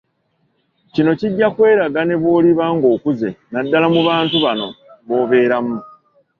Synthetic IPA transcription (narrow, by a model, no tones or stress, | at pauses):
cino̞ciɟːakwe̞ːɾaɡane̞βwo̞ːliβaːŋɡo̞ːkuze̞nadːalamuβaːntuβano̞βo̞ːβe̞ːɾamu